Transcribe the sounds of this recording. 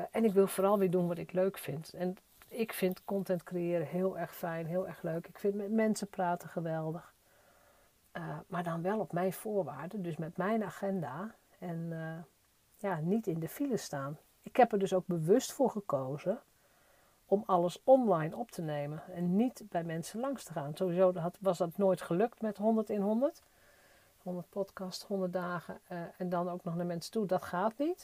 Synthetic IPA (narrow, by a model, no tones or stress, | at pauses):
ɛnɪkʋɪlˠfoːɾɑlˠʋidunʋɔtɪkløɥkfɪntɛn | ɪkfɪntkɔntɛntkrejɪəɾəɦɪəlˠɛrxfɛjnɦɪəlˠɛrxløːkɪkfɪntmɛtmɛnsəpraːtəxəʋɛlˠdəx | əmaːɹdɔnʋɛlˠɔpmɛjnfoːɹʋaːdəndøsmɛtmɛjnaːxɛnda | ɛn | janitɪndəfiləstaːn | ɪkhɛpərdøsowɡ̚bəʋɵstfʊːɹχəkoːzə | ɔmɑlˠəsɔnlajnɔptʰəneːmənɛnːitbɛjmɛnsəlɑŋstəχaːnsowʋizoːtʋɑsdɔtnoːjtχəløk̚tmɛtɦɔndəɹtɪnɦɔndərt | hɔndəɹt̚pʰɔtkɑsthɔndətdaːɣə̰ɛndɔnoːknɔxnəmɛnstudɔtxaːtnit